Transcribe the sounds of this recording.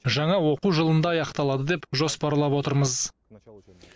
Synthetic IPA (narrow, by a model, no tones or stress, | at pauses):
ʒɑɴɑwo̞quʒəlˠənd̪ɑːjɑqt̪ɑlˠɑd̪əd̪e̞pʒo̞spɑɾlˠɑpwo̞t̪əɾməz